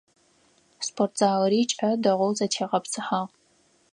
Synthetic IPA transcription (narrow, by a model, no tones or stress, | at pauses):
spʰortʰz̥aːwɾiːt͡ʃʼɐdɐʁʷʊwzɐtʰeːʁɐpsʰɨħaːʁ